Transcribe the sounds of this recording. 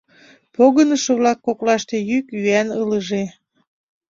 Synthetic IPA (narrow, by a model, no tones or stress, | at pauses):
poɣənəʃɤ̆βlɑkːoklɑʃt̪e̽jykyænələʒe